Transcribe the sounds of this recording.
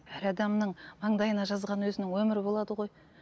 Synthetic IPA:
æɾɑd̪ɑmnəɴmɑɴd̪ɑjənɑʒɑzʁɑnwɵzɪnɪŋwɵmɪɾɪbo̞lˠɑd̪əʁo̞j

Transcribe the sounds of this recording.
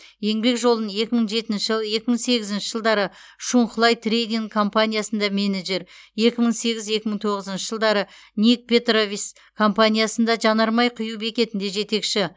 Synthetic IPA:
je̞ŋbe̞kʒo̞lˠənje̞kʲɪməɴʒe̞t̪ɪnʃɪʒje̞kʲɪməɴse̞ɡʲɪzɪnʃɪʒəlˠd̪ɑɾə | ʃuɴqʊlˠɑjt̪rejd̪iŋkʰo̞mpanʲijasənd̪ɑmʲe̞neʒe̞ɾje̞kʲɪməɴse̞ɡʲɪzje̞kʲɪməɴt̪ʰo̞ʁəzənʃəʒəlˠd̪ɑɾə | nik̚pʲe̞t̪rovis | kʰo̞mpanʲijasənd̪ɑʒɑnɑɾmɑjqʰʊjuwbe̞kʲe̞t̪ɪnd̪e̞ʒe̞t̪e̞kʃɪ

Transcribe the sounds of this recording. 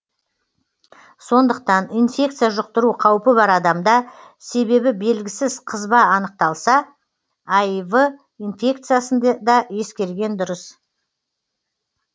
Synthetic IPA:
so̞nd̪əq̚t̪ɑninfʲe̞kt̪sijaʒʊq̚t̪əɾuqʰɑwpəbɑɾɑd̪ɑmd̪ɑ | se̞be̞bɪbe̞lɡʲɪsɪzqʰəzbɑːnəq̚t̪ɑlˠsɑ | ajvə | ijnfʲe̞k̚t̪sɨjasənd̪d̪ɑje̞skʲe̞ɾɡʲe̞nd̪ʊɾəs

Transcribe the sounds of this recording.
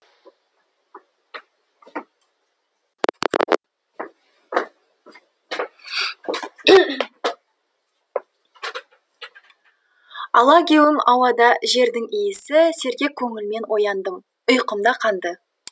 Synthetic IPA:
ɑlˠɑkʲewɪmɑwɑd̪ɑʒe̞ɾd̪ɪŋijɪsɪse̞ɾɡʲe̞kʲʰːɵŋɪlme̞nwo̞jɑnd̪əm | ʊjqəmd̪ɑqʰɑnd̪ə

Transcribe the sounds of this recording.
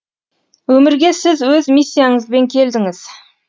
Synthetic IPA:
wɵmɪɾɡʲe̞sɪzwɵzmisʲːijaɴəzbe̞ŋkʲʰe̞ld̪ɪŋɪz̥

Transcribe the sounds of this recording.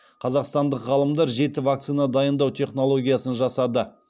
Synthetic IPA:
qʰɑzɑqst̪ɑnd̪əqʁɑlˠəmd̪ɑɾʒe̞t̪ɪvak̚t̪sɨjnad̪ɑjənd̪ɑwt̪ʰe̞χno̞lˠo̞ɡʲijasənʒɑsɑd̪ə

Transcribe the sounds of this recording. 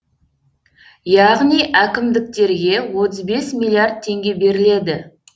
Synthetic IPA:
jɑʁnijʔækʲɪmd̪ɪk̚t̪e̞ɾɡʲe̞wo̞t̪əzbe̞smilʲˠːijard̪̚t̪ʰːe̞ŋɡʲe̞be̞ɾɪle̞d̪ɪ

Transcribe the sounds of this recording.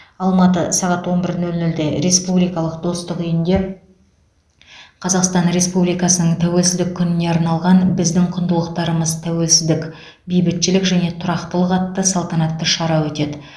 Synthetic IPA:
ɑlˠmɑt̪əsɑʁɑt̪wo̞nbɪɾnɵlnɵld̪eɾe̞spublijkɑlˠəqd̪̥o̞st̪əqijɪnd̪e̞ | qʰɑzɑqst̪ɑnɾe̞spublijkɑsənəɴt̪ʰæwe̞lsɪzd̪ɪkʲʰːʏnɪne̞ɑɾnɑlˠʁɑnbɪzd̪ɪŋqʰʊnd̪əlˠəqt̪ɑɾəməzt̪ʰæwe̞lsɪzd̪ɪkʲ | bijbɪt̪ʃɪlɪkʒæne̞t̪ʰʊɾɑqt̪əlˠəqɑt̪ːəsɑlˠt̪ɑnɑt̪ːəʃɑɾɑwɵt̪e̞d̪ɪ

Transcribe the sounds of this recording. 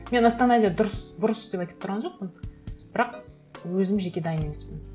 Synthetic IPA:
me̞nast̪anazʲijad̪ʊɾəsd̪ʊɾəsd̪e̞pɑjt̪əp̚t̪ʊɾʁɑnʒo̞q̚pənb̥ɪɾɑq | wɵzɪmʒe̞kʲe̞d̪ɑjənemespɪn

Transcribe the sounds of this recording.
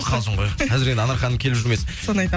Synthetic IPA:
qʰɑlˠsəɴʁojʰɑzɪɾe̞nd̪ɪɑnɑɾχɑnəmkʲʰe̞lɪpʒʏɾme̞sɪnsonɑjt̪a

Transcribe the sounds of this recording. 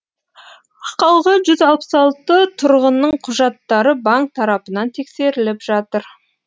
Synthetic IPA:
qɑlˠʁəʒʏzɑlˠpə̥sɑlˠt̪ət̪ʰʊɾʁənːəɴqʰʊʒɑt̪ːɑɾəbɑŋk̚t̪ʰːɑɾɑpənɑnt̪ʰe̞kse̞ɾɪlɪpʒ̥ɑt̪əɾ

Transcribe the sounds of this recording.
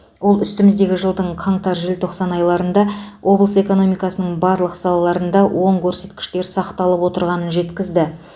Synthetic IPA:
wo̞lˠʏst̪ɪmɪzd̪e̞ɡʲɪʒəlˠd̪əɴqʰɑɴt̪ɑɾʒɪlt̪ʰo̞qsɑnɑjlˠɑɾənd̪ɑwʔo̞blˠəse̞ko̞no̞mijkɑsənəɴbɑɾlˠəqsɑlˠɑlˠɑɾənd̪ɑwʔo̞ɴkʲʰɵɾse̞t̪kʲɪ̥ʃt̪e̞ɾsɑqt̪ɑlˠəpwo̞t̪əɾʁɑnənʒe̞t̪kʲɪzd̪ɪ

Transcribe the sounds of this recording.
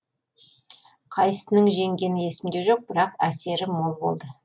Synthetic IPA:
qʰɑjsənəŋʒe̞ŋɡʲe̞nɪje̞sɪmd̪e̞ʒo̞q̚b̥ɪɾɑqæse̞ɾɪmo̞lˠbo̞̰lˠd̪ə

